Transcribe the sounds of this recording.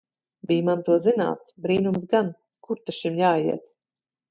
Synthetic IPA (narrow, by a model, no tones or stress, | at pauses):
bijmant̪uɔzina̰ːt̪sbɾiːnumsɡan | kuɾt̪aʃimjaːjiɛt̪̚